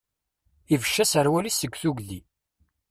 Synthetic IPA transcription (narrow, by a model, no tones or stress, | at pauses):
ivəʃːæsəɾwælisəɡʷθuɡðḭ